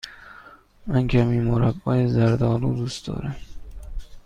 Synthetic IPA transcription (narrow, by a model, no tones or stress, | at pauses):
mænkʲʰæmiːmoɾæbːɒːjezæɾd̪ɒːluːd̪uːst̪ɒ̰ːɾæm